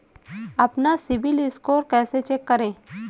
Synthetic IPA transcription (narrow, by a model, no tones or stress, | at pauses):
ɐpnasɪbɪlɪskoːɾkɛːset͡ʃekːəɾẽː